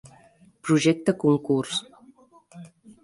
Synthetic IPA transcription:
pɾuʒɛk̚t̪əkuŋkurs

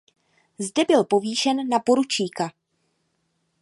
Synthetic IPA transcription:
zdɛbɪlpo̞viːʃɛnːapo̞ɾut͡ʃiːka

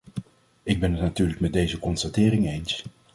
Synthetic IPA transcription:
ɪɡ̚bɛnɦətnatyːɹləkmɛt̚dejzəkɔnstatɪːɾɪŋejns

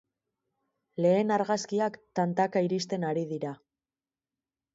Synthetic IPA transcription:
le̞ːnaɾɣaskiakt̪ant̪akaiɾist̪e̞naɾiðiɾa

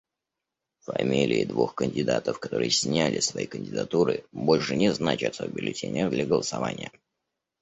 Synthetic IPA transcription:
fɐmʲilʲɪɪd̪vuxkənʲdʲɪd̪at̪əfkɐt̪o̞ɾɨjəsʲnʲalʲʔɪsvɐikənʲdʲɪd̪ɐt̪uɾɨbo̞lʲʂɨnʲɪznat͡ɕɪt̪əbʲɪlʲɪtʲenʲɪəd̪lʲaɡəlˠəsɐvanʲɪjə

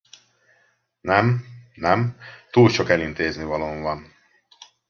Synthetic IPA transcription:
nɛmnɛmt̪uːlt͡ʃokɛlint̪eːznivɒloːɱvɒn

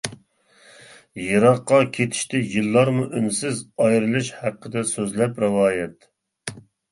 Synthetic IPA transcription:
jɨɾɑqːɑkʲʰet̪ʰɪ̥ʃt̪ɪjɨlˠːɑɾmuʔynsɪzɑjɾɨlˠɨʃhæqʰːəd̪ɛsøzlɛpɾɨwɑːjɛt̪

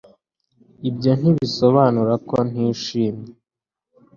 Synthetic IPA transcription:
ibjon̥iβisoβaːnuɾakon̥iːʃiːmɲe

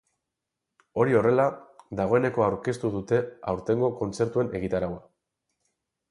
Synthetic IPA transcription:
o̞ɾio̞re̞lad̪aɣ̞o̞e̞ne̞ko̞awɾke̞st̪uðut̪e̞awɾt̪e̞ŋɡo̞ko̞nt͡se̞ɾt̪ue̞ne̞ɣit̪aɾawa

